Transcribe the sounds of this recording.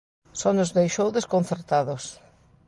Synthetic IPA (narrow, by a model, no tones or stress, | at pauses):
sɔnʊzðejʃowðeskon̟θeɾt̪aðʊs